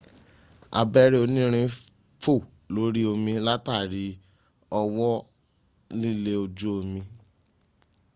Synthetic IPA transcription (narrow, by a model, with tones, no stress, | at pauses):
a̰˧bɛ˦ɾe˦o˧nĩ˦ɾ̃ĩ˧˦ | fo˦˨ | lo˨˦ɾi˦o˧mĩ˧la˦ta˦˨ɾi˨˦ | ɔ˧wɔ˦ | nĩ˦le˦o˧d͡ʒo˦o˧mĩ˧